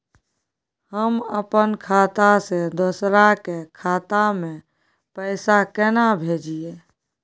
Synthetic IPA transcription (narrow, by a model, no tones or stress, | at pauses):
həməpənkʰaːt̪ased̪ʊsɾakekʰaːt̪amẽ | pəɪsakɛnabʱeːd͡ʒije